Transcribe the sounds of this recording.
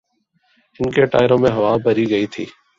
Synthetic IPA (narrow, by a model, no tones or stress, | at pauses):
ɪnkeːʈa̰ːɪɾõːmẽːɦəʋaːbʱəɾiːɡəiːt̪ʰḭː